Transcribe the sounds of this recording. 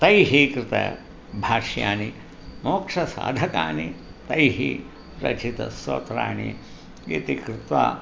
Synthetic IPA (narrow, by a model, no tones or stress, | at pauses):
t̪ɐjɦiːkɾɪt̪ɐ̰ | bʱaːʂja̰ːni | moːkʂɐsa̰ːd̪ʱɐkaːni | t̪ɐjɦiː | ɾɐt͡ʃit̪ɐ̰so̰ːt̪ɾa̰ːnḭ | jit̪ikɾɪt̪ʋa̰ː